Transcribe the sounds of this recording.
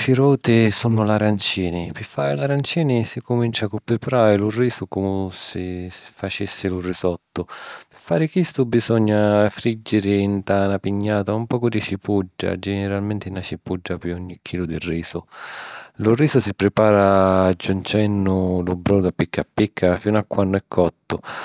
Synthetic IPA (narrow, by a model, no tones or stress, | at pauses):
fiɾɔːt̪ɪsunːʊlaɾant͡ʃiːnɪpɪfːaːɾɪlaɾant͡ʃiːnɪsikʊmint͡ʃakʊpːɾɪpaɾaːɾɪlʊrːiːsʊkumʊsɪ̥fat͡ʃisːɪlʊrːisɔt̪ːʊpɪfːaːɾɪkist̪ʊbisɔɲːafɾid͡ʒːɪɾɪːnt̪aːnapiɲːaːt̪aumpɔːkʊd̪it͡ʃipud͡ʒːa̰d͡ʒɛnɪɾalmɛnt̪ɪnat͡ʃipud͡ʒːapɪɔɲːikʰːiːlʊd̪irːiːsʊ | lʊrːiːsʊsipɾɪpaːɾaːd͡ʒːunt͡ʃɛnːʊlʊbɾɔnʊd̪apːikːapːikʰːafinʊakːwanːʊɛkʰːɔt̪ːʊ